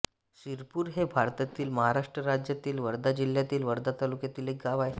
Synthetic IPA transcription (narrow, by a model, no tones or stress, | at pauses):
siɾpuːɾɦebʱaɾt̪at̪iːlməɦaɾaʂʈɾəɾad͡ʑjat̪iːlʋəɾd̪ʱad͡ʑiljat̪iːlʋəɾd̪at̪alukjat̪iːlek̚ɡaʋaj